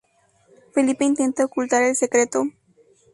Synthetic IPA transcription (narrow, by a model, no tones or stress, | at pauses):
felipeint̪ent̪əokult̪aɾelsekɾet̪o